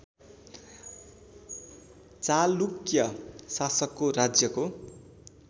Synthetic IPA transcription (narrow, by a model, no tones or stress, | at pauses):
t͡salukjʌsasʌkːorad͡zjʌko